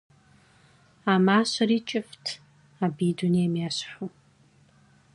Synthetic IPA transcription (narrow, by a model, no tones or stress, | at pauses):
amaːɕɐɾiːt͡ʃʼɪftʰ | abiːduniɛmjaːɕħʷu